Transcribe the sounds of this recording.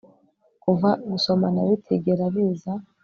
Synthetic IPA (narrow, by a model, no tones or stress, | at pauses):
kuvaɡuso̞manaβitʰeɡeɾaβiːza